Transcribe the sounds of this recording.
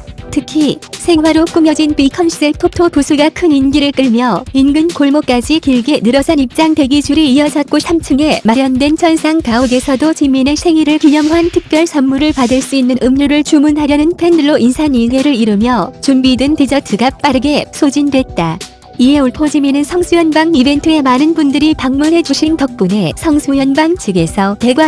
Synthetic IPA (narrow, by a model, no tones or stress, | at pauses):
tʰɯkʰisʰe̞ŋwaɾok͈umjʌd͡ʑinpikʰʌnɕʰideɭtʰotʰopusʰuɭɡakʰɯninɡiɾɯɭk͈ɯɭmjʌinɡɯnkoɭmok͈ad͡ʑikiɭɡenɯɾʌsʰanip̚t͡ɕ͈aŋte̞ɡid͡ʑuɾiijʌd͡ʑʌt̚k͈osʰamt͡ɕʰɯŋe̞maɾjʌndwe̞nt͡ɕʰʌnsʰaŋkaoɡe̞sʰʌdot͡ɕimːine̞sʰe̞ŋiɾɯɭkiɲʌmɦantʰɯk̚p͈jʌɭsʰʌnmuɾɯɭpadɯɭs͈uinːɯnʔɯmɲuɾɯɭt͡ɕumunɦaɾjʌnɯnpʰe̞ndɯɭːoʔinsʰaniɭɡeɾɯɾiɾɯmjʌt͡ɕumbidɯntid͡ʑʌtʰɯɡap͈aɾɯɡe̞sʰod͡ʑindwe̞t̚t͈a | iɦe̞oɭpʰod͡ʑiminɯnsʰʌŋsʰujʌnbaŋibe̞ntʰɯe̞manɯnbundɯɾipaŋmunɦe̞d͡ʑuɕʰintʌk̚p͈une̞sʰʌŋsʰujʌnbaŋt͡ɕʰɯɡe̞sʰʌte̞ɡwa